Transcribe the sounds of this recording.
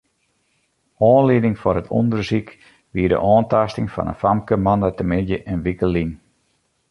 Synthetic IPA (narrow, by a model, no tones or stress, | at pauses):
ɔːnlidɪŋfɔrɦətʰɔ̰ndərsik | ʋiədə̰ʔɔːntastɪŋfɑ̰nə̰nfamkəmɑndətəmɪdjəʔənʋikəlin